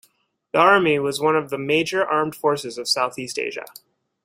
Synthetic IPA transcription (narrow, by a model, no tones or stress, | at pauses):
ðiɑɹmiwʌzwʌ̃nʌvðɨmeɪd͡ʒə˞ʔɑɹmd̥fɔɹsɨzʌv̥saʊθistḛɪʒɨ̰